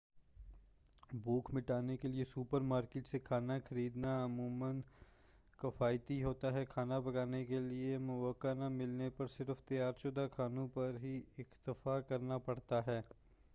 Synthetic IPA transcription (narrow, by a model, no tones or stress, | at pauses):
buːkmɪʈaːnekeliesuːpəɾmaːɾkɪːʈsekʰaːnakʰɐɾiːd̪naɐmuːmən | kɐfaːɪt̪iɦoːt̪aɦɛkʰaːnabɐɡaːnekeliemʊʋəkːanamɪlnepɐɾsɪɾft̪ɪjaːɾt͡ʃʊd̪akʰaːnõpɐɾɦiɪxt̪ɪfakɐɾnapɐɽt̪aɦɛː